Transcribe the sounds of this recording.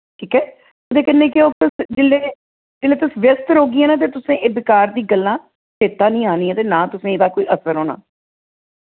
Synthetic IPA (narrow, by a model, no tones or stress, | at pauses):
kʰiːkɛː | ʊd̪eːkɪnːẽːkɪoːt̪ʊsd͡ʒeleː | d͡ʒeːleːt̪ʊsʋjəst̪ɾoːɡiːɛːnãːt̪̬eːt̪ʊsẽːʔeːbɪkaːɾd̪iːɡəlːãː | sʰeːt̪ːaːnĩːaːniːɛ̃ːt̪eːnãːt̪ʊsẽːɪːd̪aːkoːiːʔəsəɾɦoːna̰ː